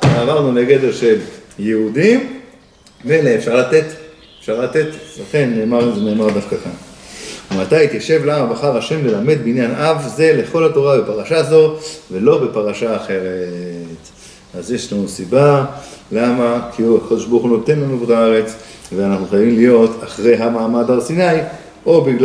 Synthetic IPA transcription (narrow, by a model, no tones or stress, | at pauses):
avaʁnuleɡe̞d̪e̞ʁʃe̞ljeud̪im | meleːfʃaʁlat̪e̞t̪ | efʃaʁlat̪e̞t̪laχe̞nːeːmaʁuzene̞ːmaʁd̪afkakanumat̪ajit̪jaʃe̞vlamabaχaʁhaʃe̞mlelame̞d̪̚beinjanavze̞le̞χo̞lhato̞ʁabe̞paʁaʃazo̞ve̞lo̞be̞paʁaʃaːχe̞ʁet | azjeʃlanusibalamakʰiakod̪eʃbauχuno̞t̪e̞nlanubuχaaʁe̞t͡s | veanaχnuχajavimlijo̞taχʁe̞jɦamaːmad̪aʁsinaj | ʔo̞biɡl